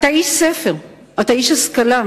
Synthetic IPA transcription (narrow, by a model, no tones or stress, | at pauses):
t̪aʕiːʃsæːfɪɾ | ʔat̪aʕiːʃaskalaː